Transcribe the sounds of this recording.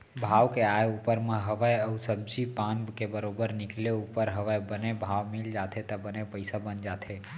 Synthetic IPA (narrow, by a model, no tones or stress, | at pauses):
bʱaːwkeaːjupəɾmə̃ɦəʋəjəʊsəb̚d͡ʒipãːnbkebəɾoːbəɾnɪkleuːpəɾɦəʋəjbənebʱaːʋmɪld͡ʒaːt̪ʰet̪ɐbənepəɪsabənd͡ʒaːt̪ʰe